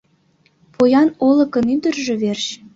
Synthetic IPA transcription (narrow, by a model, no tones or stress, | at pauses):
pojɑnolɤ̆kɤ̆nynd̪ə̆rʒĕβerɕ